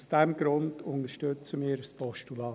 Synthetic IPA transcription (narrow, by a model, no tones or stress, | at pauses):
sd̥ɛmɡ̥ɾʊndʊnəʃtøt͡səmiːɾspɔʃtulɑː